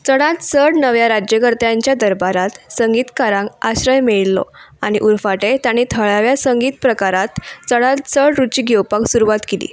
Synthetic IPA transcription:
t͡səɽãt̪səɽnəʋjaɾad͡ʑjəɡəɾt̪jãɲt͡ɕjad̪əɾbaɾat̪səŋɡiːt̪kaɾãŋɡaɕɾəjmeɭlɔ̰aɽ̃iʔuɾfaʈet̪aɽ̃it̪ʰəɭaʋjasəŋɡiːt̪pɾəkaɾat̪t͡səɽat̪̚səɽɾut͡ɕiːɡɛwpaksuɾuʋat̪kilḭː

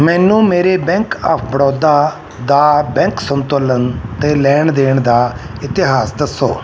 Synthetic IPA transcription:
mɛːnũːmeːɾeːbɛ̃ːŋkaːpʰbəɽɔːd̪aː | d̪aːbɛ̃ːŋksənt̪oːlənt̪eːlɛːɳd̪eːɳd̪aːɪt̪ɪɦaːsd̪əsːo̰ː

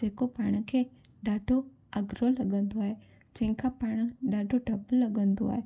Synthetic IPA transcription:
d͡ʒeːkopaːɽ̃kʰeː | ɖaːɖʰʱo | ɐɡɾolɐɡə̃nd̪oaːɦe | d͡ʒɐ̃ɦɪ̃kʰapaːɽ̃ɖaːʈʰoɖʱɐbəlːɐɡə̃nd̪o̰a̰ːɦe

